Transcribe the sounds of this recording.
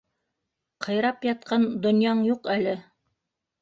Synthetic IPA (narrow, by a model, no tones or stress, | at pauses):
qʰɤ̆jɾɑpjɑt̪̚qʰɑnd̪ŏnjɑɴjuqælɘ